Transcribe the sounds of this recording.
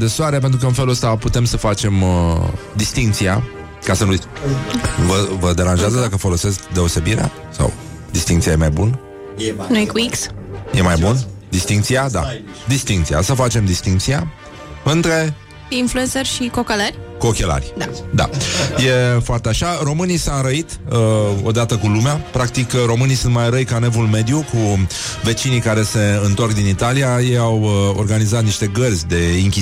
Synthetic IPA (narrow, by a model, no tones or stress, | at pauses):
d̪esoaɾeapent̪ɾukəɨnfeluəst̪aput̪e̞msəfat͡ʃe̞m | d̪ist̪iŋk̚t̪sija̰ | kasənui | vəvəd̪e̞ɾanʒeazəd̪akəfo̞lo̞se̞skd̪e̞o̞se̞biɾea̰ | sa̰w | d̪ist̪iŋkt̪ijajemajbun | nujekuiksjemajbund̪ist̪iŋk̚t̪siad̪a̰ | d̪ist̪iŋk̚t̪sia̰səfat͡ʃe̞md̪ist̪iŋk̚t̪sija | ɨnt̪ɾe̞ | influensərʲʃikokeləɾʲko̞kʲe̞la̰rʲd̪ad̪a̰je̞foart̪eaʃaro̞mɨnisaɾəit̪ | o̞d̪at̪əkulumeapɾak̚t̪ikɾo̞mɨnijsunt̪majɾəjkane̞vulme̞d̪juku | ve̞t͡ʃinikaɾe̞se̞ɨnt̪o̞rkd̪init̪alijajejawo̞̰rɡanizat̪niʃt̪e̞ɡərzʲd̪e̞iŋkʲi